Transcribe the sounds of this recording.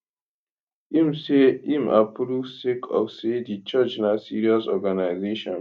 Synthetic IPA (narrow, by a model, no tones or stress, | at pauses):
imseima̰pɾusekʰɔ̰fsedit͡ʃat͡ʃnasiɹiɔsɔɡanaɪzeʃɔ̃n